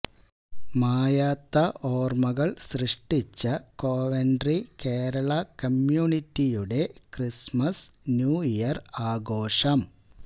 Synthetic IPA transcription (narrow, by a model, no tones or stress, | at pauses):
maːjaːt̪ːɐʔoːrmɐɣɐɭsrɨʂʈit͡ɕːɐkoːʋenɖrikeːɾɐɭɐkɐmjuːnitːijuɽe̞krismɐsnjuːijɐraːɡoːʂɐm